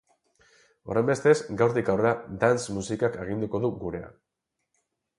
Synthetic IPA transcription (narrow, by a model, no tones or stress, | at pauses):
o̞̰ɾejmbe̞st̪e̞sɡawɾt̪ikawread̪ansmusikake̞ɣ̞ind̪uko̞ðuɡuɾe̞a̰